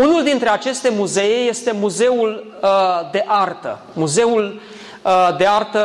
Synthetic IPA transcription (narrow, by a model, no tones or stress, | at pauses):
unuld̪int̪ɾe̞at͡ʃe̞st̪e̞muze̞jeje̞st̪e̞muze̞ul | d̪e̞ʔart̪ə̰ | muze̞ul | d̪e̞art̪ə